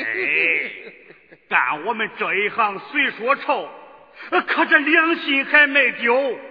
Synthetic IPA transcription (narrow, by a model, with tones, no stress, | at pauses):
e˥˩˥ | ka̰˨˩nwɔ˨˩mə˧nʈ͡ʂɤ˨˩i˥xɑ˥˧ŋswe˥˩ɪʂwɔ˧˥ʈ͡ʂʰo˥˩ʊ˧ | kʰa˧˩ʈ͡ʂə˥˧ljɑ˥ŋɕi˧˥ŋxʰa˥ɪme˨˩ɪt̪jo˧˥ʊ